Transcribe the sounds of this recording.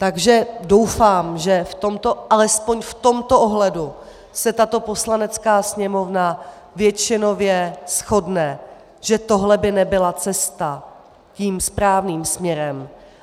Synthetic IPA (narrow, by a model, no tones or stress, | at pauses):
t̪aɡʒɛdo̞wfaːmʒɛft̪o̞mt̪o̞ʔalɛspo̞ɲft̪o̞mt̪o̞ʔoɦlɛdu | sɛt̪at̪o̞po̞slanɛt͡skaːsɲɛmo̞vna | vjɛt͡ʃɪno̞vjɛsxo̞dnɛ | ʒ̥ɛt̪o̞ɦlɛbɪnɛbɪlat͡sɛst̪a | ciːmspɾaːvniːmsmɲɛɾɛm